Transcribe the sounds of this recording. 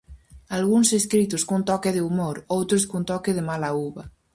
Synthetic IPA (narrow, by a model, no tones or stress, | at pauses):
alɣunseskɾit̪̬oskunt̪ɔkeðeumoɾowt̪ɾoskunt̪ɔkeðemalauβa